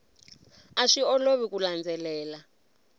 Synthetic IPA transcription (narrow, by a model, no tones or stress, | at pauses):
aʂiɔloβikuland͡zɛlɛːla